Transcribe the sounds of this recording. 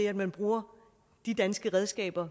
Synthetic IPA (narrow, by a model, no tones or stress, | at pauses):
eæd̥mænb̥ʁuːɐ | d̥id̥ænsɡ̥əʁɛð̞ˠsɡ̥ɛ̰ːb̥ɐ